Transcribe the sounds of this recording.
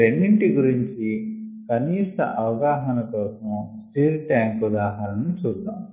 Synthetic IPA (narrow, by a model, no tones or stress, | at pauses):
eɳɖiɳʈiɡuɾiɲt͡ʃikɐniːʂʈ̪ɐ̰ʔɐʋɐɡaːɦɐnɐkɔːsɐ̃msʈiːlʈjaːŋkud̪aːɦɐɾɐnːut͡ʃuːɾt̪ːaːmu